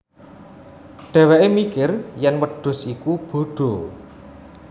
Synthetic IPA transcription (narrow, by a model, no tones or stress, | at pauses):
ɖ̪̥ɛ̤weʔemikɪrjɛnwəɖ̥ʊ̤sikub̥o̤ɖ̥o̤